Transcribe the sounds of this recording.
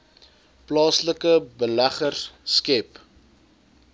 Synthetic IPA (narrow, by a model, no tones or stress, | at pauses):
plɑːsləkəbəlæχərskɛp